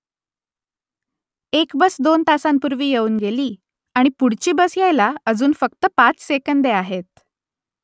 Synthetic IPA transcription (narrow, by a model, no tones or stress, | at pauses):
ekbəsd̪ont̪asampuɾʋiːjeuːnɡeliː | aɽ̃ipuɽt͡ɕiːbəsjajlaəd͡zuːnfək̚t̪əpat͡ssekənd̪eaɦet̪̚